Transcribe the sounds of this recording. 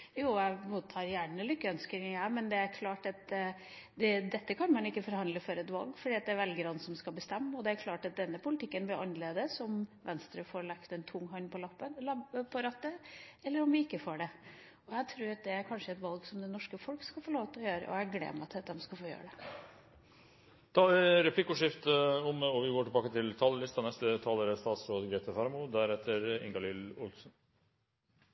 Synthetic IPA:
juːæmuːt̪ʰːɑːɾjæːɳɳəlʏkːəœnskəɪæɪmɛnd̪ɛæɾkʰlɑːʈɑt̪̚ | d̪ɛd̪ɛt̪ːəkʰɑnmɑnɪkːəfɔɾhɑnd̪ləfɔɾɛt̪ʋɑ̰lˠɡfɔɖiːɑt̪d̪ɛæɾʋɛlɡəɾɑnsɔmskɑlbəst̪ɛmːɔd̪ɛæɾkʰlɑːʈɑt̪̚d̪ɛnːəpʊlɪt̪ɪkːənbɪɾʔɑnːəleːd̪əsɔmʋɛnst̪ɾəfoːɾɭɑkt̪ɛnt̪ʰʊŋːɦɑnːpʰɔlɑpːənlɑbəpʰɔɾɑt̪ːəɛlːəɾɔmʋɪɪkːəfoːɖɛ | ɔjæt̪ʰɾʉːɾɑt̪̚d̪ɛæɾkʰɑnʂəɛt̪ʋɑlɡsɔmd̪ɛnɔʂkəfɔlkskɑfɔɭoːʋt̪ʰlɔjøːɾə̰ʔɔ̰jæɡlḛːmæɑt̪ʰt̪d̪ɛmskɑlfoːjø̰ːɾəɖɛ | t̪ʰɑɾɛpʰlɪkːʊʂɪft̪əɔmɔʋɪɡoːʈɪlbɑːkət̪ʰɪlt̪ʰɑːləlɪst̪ɑnɛst̪ət̪ʰɑːləɾəst̪ɑːt̪sɾoːd̪ɡɾeːt̪əfɑɾmʊd̪æɾɛt̪ʰːəɾɪ̰ŋɡɑlɪlʊ̰lsn

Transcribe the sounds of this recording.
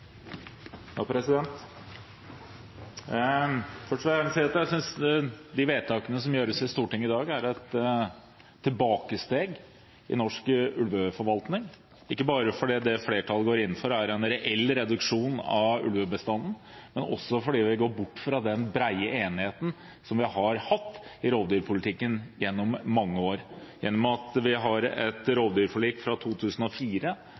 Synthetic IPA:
jɑːpʰɾɛsɪd̪ɛnt̪ | fœʈʂnsiɾɑt̪jæsʏnsd̪ɪʋeːd̪̚t̪ʰɑːkənəsɔmjøːɾəsɪst̪uːʈɪŋːɪd̪ɑːɡæɾɛt̪ | ɪlbɑːkəst̪eːɡ | ɪ̰nɔʂkʉlʋəfɔɾʋɑlt̪nɪŋ | ɪkːəbɑːɾəfɔɖiːd̪ɛfleːʈʰɑlɡoːɾɪnːn̩fɔɾæɾɛnɾɛʔɛlːɾɛd̪ʉkʂuːnɑ̰ʋʉ̰lʋəbəst̪ɑnːn̩ | mɛnɔ̰sːɔfɔɖiːʋɪɡoːɾbʊʈːfɾɑd̪ɛnbɾæɪəeːnɪheːt̪n̩ | sɔmʋɪhɑɾhɑt̪ːɪɾoːʋd̪yːɾpʰʊlɪt̪ʰɪkːənjɛnːɔmːɑŋːəoːɾjɛnːɔmɑt̪ʋɪɦɑɾɛt̪ɾoːʋd̪yːɾfɔɭiːkfɾɑt̪ʰuːt̪ʰʉːsn̩ɔfiːɾə

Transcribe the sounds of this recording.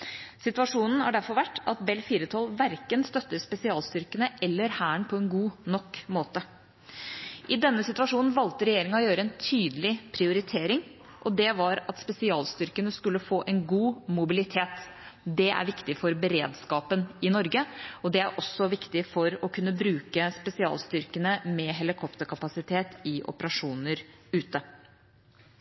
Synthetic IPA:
sɪt̪ʉɑʂuːnn̩hɑɖæɾfɔɾʋæʈːɑt̪̚bɛlfiːɾət̪ʰɑlʋæɾkənst̪œt̪ːəɾspɛsɪɑːlst̪ʏɾkənəʔɛlːəɾhæːəɳpʰɔɛnɡuːnɔkːmoːt̪ə | ʔɪd̪ɛnːəsɪt̪ʉʋɑʂuːnn̩ʋɑlt̪əɾɛjeːɾɪŋɔjøːɾəɛnt̪ʰyːd̪əlɪpʰɾɪʊɾɪt̪ʰeːɾɪŋ | ʔɔd̪ɛʋɑɾɑt̪spɛsɪɑːlst̪ʏɾkənəskʉlːəfoːʔɛnɡuːmʊbɪlɪt̪ʰeːt̪d̪ɛʔæ̰ɾʋɪkt̪ɪfɔɾbəɾḛːd̪skɑːpənɪnɔɾɡəɔd̪ɛæɾʔɔsːɔʋɪkt̪ɪfɔɾɔkʰʉnːəbɾʉːkəspɛsɪɑ̰ːlst̪ʏɾkənəmɛɦɛlɪkʰɔpt̪əɾkʰɑpɑsɪt̪ʰeːt̪ɪʔɔ̰pəɾɑʂuːnəɾʉːt̪ə

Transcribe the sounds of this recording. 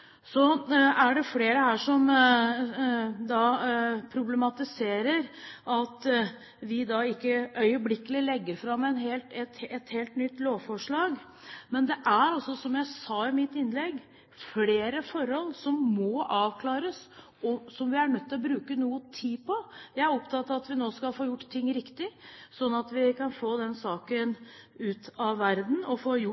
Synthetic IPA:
sɔæɖɛfleːɾəhæːʂɔm | d̪ɑpʰɾʊblɛmɑt̪ɪseːɾəɾʔɑt̪ | ʋɪd̪ɑɪkːəœʏəblɪkːəlɪlɛɡːəɾfɾɑmːɛnɦeːlt̪ɛt̪ɛt̪heːlt̪nʏt̪ːloːʋfɔʂɭɑːɡ | mɛnd̪ɛʔæɾɑlsɔsɔmjæɪsɑːɪmɪt̪ːɪnlɛɡː | fleːɾəfɔɾhɔlːsɔmːɔɑːʋkʰlɑːɾəs | ɔsɔmʋɪæɾɳœt̪ːɪlɔbɾʉːkənuːət̪ʰiːpʰɔjæɪæɾɔpt̪ʰɑt̪ːɑʋɑt̪ʋɪnoːskɑlfoːjʊʈːt̪ʰːɪŋːɾɪkt̪ɪsɔnːɑt̪ʋɪkʰɑnfoːd̪ɛnsɑːkənʉːt̪ɑʋʋæɾd̪n̩ɔfoːjʊ

